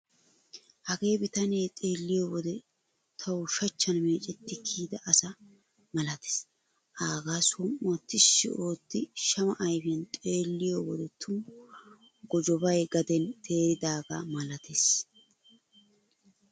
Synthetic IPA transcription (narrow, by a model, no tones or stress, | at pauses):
hɐɡe̞ːbɪt̪ɐneːt̪ʼe̞ːlːɪjowɔd̪ɛ | t̪ʰɐwʊʃɐt͡ʃːɐnmeːt͡ʃʼɛt̪ːɪkʰiːd̪ɐʔːsɐ | mɐlɐt̪e̥s | ʔaːɡaːswʊmːɔt̪ːɪʃːɪ̰o̞ːt̪ːɪʃɐmɐʔɐjbɛnt̪ʼe̞ːlːɪjowɔd̪ɛt̪ʰʊ | ɡɔd͡ʒɔbɐjɡɐd̪ɛnt̪ʰe̞ːɾɪd̪aːɡɐmɐlɐt̪es